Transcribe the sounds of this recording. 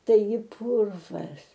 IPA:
tɐɪˈɡʲɪ ˈpʊrʋɐs

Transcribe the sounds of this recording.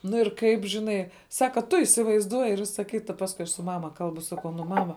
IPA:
ˈnʊ ɪr ˈkɐɪp ʒʲɪˈnɐɪ ˈsɑːkɐ tʊ ɪsʲɪʋɐɪzˈduɔjɪ ɪr ˈʋʲɪsɐ ˈkʲɪtɐ ˈpɑːskʊɪ ɐʃ sʊ ˈmɑːmɐ ˈkɐlˠbʊ ˈsɑːkɐʊ ˈnʊ ˈmɑːmɐ

